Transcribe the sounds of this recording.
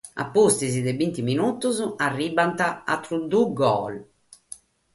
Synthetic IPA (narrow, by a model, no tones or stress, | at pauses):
a̰pːust̪izid̪ɛbint̪iminut̪uzarːiːbant̪aat̪ːɾud̪uɡɔːl